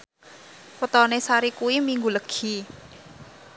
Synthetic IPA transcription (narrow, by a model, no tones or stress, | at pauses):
pət̪ɔnesaɾikuwimiŋɡuləɡ̥i